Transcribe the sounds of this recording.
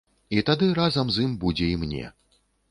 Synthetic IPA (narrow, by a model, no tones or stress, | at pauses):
it̪ad̪ɨɾazɐmzjimbud͡zʲɛimnʲɛ̰